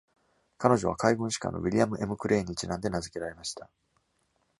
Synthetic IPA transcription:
kano̞ʑo̞β̞a̰kaiɡɯ̟̃ɕi̥kã̰nːo̞̰βʲiɾʲiamɯ̟ʔe̞mɯ̟kɯ̟ɾʔe̞ːɲit͡ɕinãnd̪e̞nazɨke̞ɾaɾe̞maɕi̥t̪a

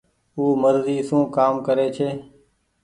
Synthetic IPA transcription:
uːməɾziːsũːkaːmkəɾeːt͡ʃʰeː

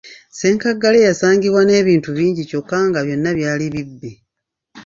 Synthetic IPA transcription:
se̞ːŋkaɡːalejasaːŋɡiβwane̞ːβiːntuβiːɲɟico̞kːaːŋɡaβjo̞nːaβjaːliβibːe

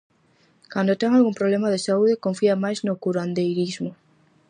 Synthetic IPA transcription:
kand̪ot̪eŋalɣũmpɾoβlemaðesauðekoɱfiamajznokuɾand̪ejɾizmo

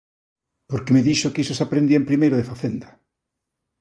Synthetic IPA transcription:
poɾkemeðiʃokisosapɾend̪iaempɾimejɾoðefaθend̪a

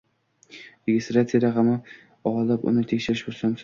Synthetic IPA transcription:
ɾeɡʲɪst̪ɾat̪sijad̪aqamɪ | ɒlapʊ̰nɪt̪ʰekʲʃɪɾɪʃbosans

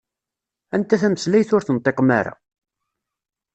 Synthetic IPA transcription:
ænt̪æθæməslæjθʊɾθənt̪ˤːeqmæɾa̰

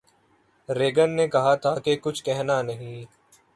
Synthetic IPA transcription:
ɾeːɡənːeːkəɦaːt̪ʰaːkeːkʊt͡ʃʰkɛɦnaːnəɦĩː

